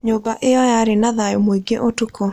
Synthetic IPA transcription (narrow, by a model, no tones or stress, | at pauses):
ɲobaʔɪjɔjaɾɪnaðajomoiɡeʔotukʰo